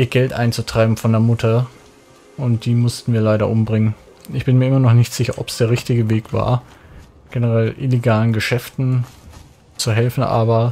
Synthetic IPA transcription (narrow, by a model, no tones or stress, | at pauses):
ʔiːɐɡɛltʔa̰ɪnt͡sutʁ̥aɪbm̩fɔndeːɐmʊtʰɐ | ʊntd̥iːmʊstn̩viːɐlaɪɾɐʔʊmbʁɪŋən | ʔɪçb̥ɪnmiːɐʔɪmɐnɔχnɪçtz̥ɪçɐʔɔpsd̥eːɐʁɪçtɪɡəveːkv̥a̰ːɐ | ɡ̥ɛnəʁɛlʔɪleɡaːlənɡəʃɛftn̩ | t͡suɦɛlfn̩ʔa̰ːbɐ